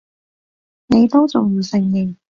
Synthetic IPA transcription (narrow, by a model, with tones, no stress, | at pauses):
ne˨˧jt̪o˥wt͡sʊ˨ŋji˨˧wsɪ˧˥ŋjɪ˨˩ŋ